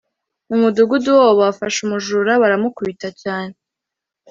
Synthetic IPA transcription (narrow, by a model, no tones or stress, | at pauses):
mumuduɡuduwooβafaʃumuʒuɾaβaɾamukuβitacaːne